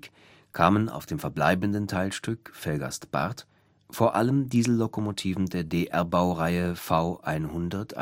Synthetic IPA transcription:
kʰaːməna̰ʊfd̥eːmfɛɐbla̰ɪbn̩dəntʰaɪlʃtʏkfɛlɡa̰stb̥a̰ɐt | foːɐʔa̰ləmdiːzl̩ːokomotʰiːvn̩deːɐdeːʔɛɐbaʊʁaɪəfaʊʔaɪnhʊndɐtʰʔa̰

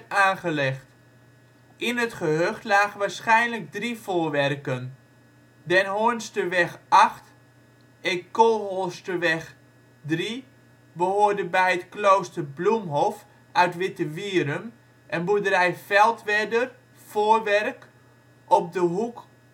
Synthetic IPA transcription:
aːnχəlɛχt | ʔɪnətχəɦøχtlaːχʋaːɹsχɛjnləɡ̚drifoːrʋɛrkən | dɛnɦoənstəʋɛxʔaχt | ɛkolˠɦostəʋɛx | dri | bəhoːɹdəbɛjətkloːwstərblumɦɔf | œɥtʋɪtəʋiəɾəm | ʔɛnbudəɾɛjfɛlˠtʋɛdər | foːrʋɛrk | ʔɔp̚dəɦuk

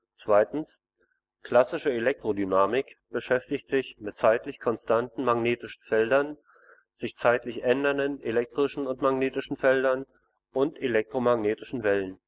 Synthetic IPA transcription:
t͡sv̥aɪtn̩s | kʰl̥asɪʃəelɛk̚tʁ̥odynaːmɪkb̥əʃɛftɪçtz̥ɪçmɪt̚t͡saɪtlɪçkʰɔnstʰantn̩maɡneːtɪʃn̩fɛldɐn | z̥ɪçt͡saɪtlɪçʔɛndɐndənʔelɛk̚tʁ̥ɪʃn̩ʊntmaɡneːtɪʃn̩fɛldɐn | ʔʊntelɛk̚tʁ̥omaɡneːtɪʃn̩vɛlən

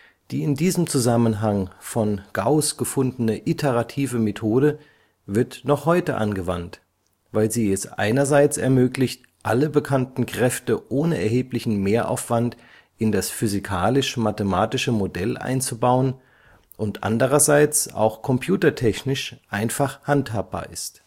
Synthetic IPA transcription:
d̥iːɪndiːzəmt͡suzamənɦaŋfɔnɡ̥aʊsɡ̥əfʊndənəʔɪtʰəʁatʰiːvəmetʰoːdə | vɪɐtnɔχhɔʏtəʔa̰nɡəvant | vaɪlziːɛsʔa̰ɪnɐzaɪt͡sɛ̰ɐmøːklɪçt | ʔaləbəkʰantn̩kʁ̥ɛftəʔoːnəɛɐhɦeːplɪçn̩meːɐʔa̰ʊfv̥ant | ɪndasfyzikʰaːlɪʃmatəmaːtɪʃəmodɛlʔa̰ɪnt͡subaʊən | ʔʊntʔa̰ndəʁ̞ɐzaɪt͡sa̰ʊxkʰɔmpʰj̥uːtɐtʰɛçnɪʃʔaɪnfaχhanthaːp̚b̥a̰ːɐʔɪst

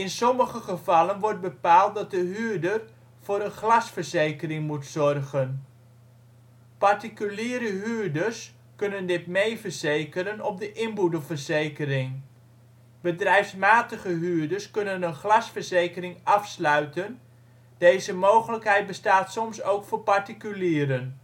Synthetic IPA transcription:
ɪnsɔməχəχəvɑlənʋɔrd̚bəpaːlˠt̚dɑt̚dəɦyːɹdər | vʊːɾənχlɑsfəɹzejkərɪŋmutsɔrɣən | pɑrtikyliːɾəɦyːrdərs | kɵnəndɪtmejvərz̥ejkəɾənɔp̚dəʔɪnbudəvərzejkərɪŋ | bədrɛjfsmaːtəχəɦyːɹdəɹskɵnənənχlɑsfəɹzejkərɪŋɑfslœɥtən | d̥ejzəmowχələkɦɛjt̚bəstaːtsɔmsowkfʊːpɑɹtikyliːɾən

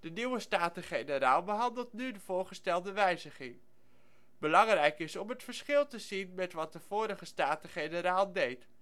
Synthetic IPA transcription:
d̥əniwəstaːtəχejnəɾaːlˠbəɦɑndəlˠtnydəv̥ʊːɹχəstɛlˠdəʋɛjzəχɪŋ | bəlɑŋrɛjkɪsɔmɦətfəɹsχɪlˠtəzinmɛtʋɑt̚dəv̥ʊːɾəχəstaːtəχenəɾaːlˠdejt

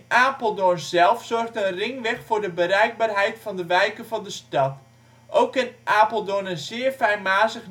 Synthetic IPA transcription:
nʔaːpəl̩ˠdonzɛlˠfsɔrxtənrɪŋʋɛxfʊːɹdəbəɾɛjɡ̚baːrɦɛjtfɑndəʋɛjkəvɑndəstɑt | ʔowkːɪnʔaːpəl̩ˠdonənzɪːərfɛjnmaːzəx

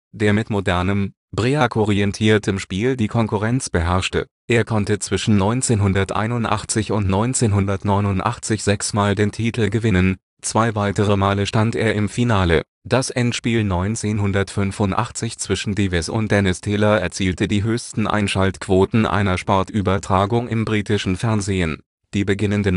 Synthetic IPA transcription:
d̥eːɐmɪtmodɛɐnəm | bʁeːakʰɔʁiɛntʰiːɐtʰəmʃpiːldiːkʰɔnkʊʁɛnt͡sb̥əɦɛɐʃtə̰ | ʔeːɐkʰɔntət͡sv̥ɪʃn̩nɔ̃ʏnt͡seːnɦʊndɐtʔa̰ɪnʊntʔa̰χt͡sɪçʊntnɔʏnt͡seːnɦʊndɐtnɔʏnʊntʔa̰χt͡sɪçz̥ɛksmaːldeːntʰiːtʰl̩ɡəvɪnən | t͡sv̥aɪvaɪtəʁ̞əmaːləʃtantʔḛːɐɪmfinaːlə̰ | d̥asʔɛntʃpiːlnɔʏnt͡seːnhʊndɐtfʏnfʊntʔa̰χt͡sɪçt͡sv̥ɪʃn̩divɛsʊ̰nt̚d̥ɛnɪstʰɛːlɐɛɐt͡siːltədiːɦøːçstn̩ʔa̰ɪnʃaltkv̥oːtn̩ʔa̰ɪnɐʃpɔɐtʔyːbɐtʁ̥aːɡʊŋɪmbʁiːtɪʃn̩fɛɐnzeːən | d̥iːbəɡɪnəndən

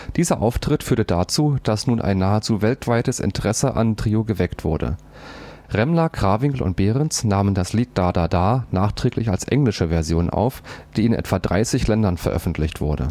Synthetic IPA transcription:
d̥iːzɐʔaʊftʁ̥ɪtfyːɐtədaːt͡suːd̥asnuːnʔa̰ɪnːaːət͡suːvɛltv̥aɪtəsɪ̰ntəʁɛsəʔa̰ntʁ̥ioːɡəvɛktv̥ʊɐdə̰ | ʁɛmlɐɡʁ̥aːvɪŋkl̩ʊ̰nt̚b̥eːʁɛnt͡snaːməndasliːt̚d̥aːdadaːnaːχtʁ̥ɛːklɪçalsʔɛ̰ŋlɪʃəvɛɐzjoːnʔa̰ʊfd̥iːɪnʔɛ̰tv̥adʁa̰ɪsɪçlɛndɐnfɛɐʔœ̰fn̩tʰlɪçtv̥ʊɐdə̰

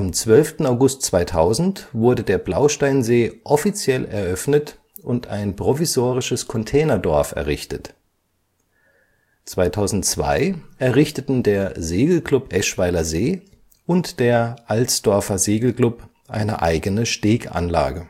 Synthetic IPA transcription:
ʔamt͡sv̥œlftn̩aʊɡʊstt͡sv̥aɪtʰaʊzn̩tv̥ʊɐdədeːɐblaʊʃtaɪnzeːʔɔfit͡sjɛlɛ̰ɐʔœfnət | ʔʊntʰa̰ɪnpʁ̥ɔvizoːʁɪʃəskʰɔntʰɛːnɐdɔɐfɛ̰ɐʁɪçtət | t͡sv̥aɪtʰaʊzn̩tt͡sv̥a̰ɪʔɛɐʁɪçtətn̩deːɐzeːɡl̩kl̥ʊpʔɛʃv̥aɪlɐzeː | ʊntd̥eːɐʔalt͡sd̥ɔɐfɐzeːɡl̩kl̥ʊp | ʔa̰ɪnə̰ʔa̰ɪɡənəʃteːɡa̰nla̰ːɡə

